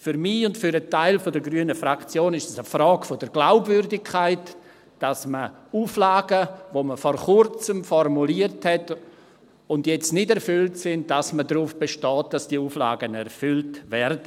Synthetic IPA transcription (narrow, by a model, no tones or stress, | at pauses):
fʏɾmiʊntfʏɾətaɪlfodəɡɾyənəfɾakt͡sjoːnɪʃtasəfɾɑːɡfod̥əɾɡ̥laʊbvʏɾdɪkʰːaɪt | d̥asmə | uːflaːɡəvoməfɔɾχʊɾt͡səmfɔrmuliəɾthɛt | ʊndjɛt͡stnɪdɛɾfʏltsɪnd̥asmədɾuːfb̥eʃtɔːt̚d̥asd̥iːuːfla̰ːɡənɛɾfʏltvɛɾdə